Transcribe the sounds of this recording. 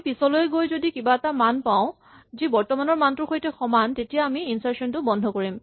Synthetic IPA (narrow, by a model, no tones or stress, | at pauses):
pisɔlojɡojzodikibaɛtamanpaʊ̃ | zibɔɹtɔmanɔɹmantɹuxojtɛxɔmantetijaːmiinsaɹsɔntʊbɔndʱɔkoɹim